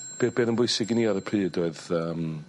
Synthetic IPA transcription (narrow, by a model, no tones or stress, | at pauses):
b̥ebeːnənbʊjsɪɡiniɔɾəpʰr̥ɨːdoɨðəːm